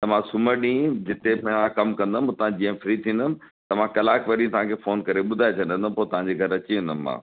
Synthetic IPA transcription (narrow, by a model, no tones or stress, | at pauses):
t̪ɐʋ̤ãsʊməɾɗĩːd͡ʑɪt̪emãkɐmkɐ̃nd̪əm̃t̪ɐ̤ãd͡ʑiːə̃fɪɾit̪ʰĩːnd̪əmɪ̆ | t̪ɐʋ̤ãkɐlaːkʋɐɗĩt̪ɐʋ̤ãkʰeːfoːnkɐɾeɓʊd̪ʱaet͡ɕʰɐ̃nd̪ə̃nd̪əmpoːt̪ɐʋ̤ãɲd͡ʑeɡʱɐɾɐt͡ɕiɦnd̪ənːã̰ː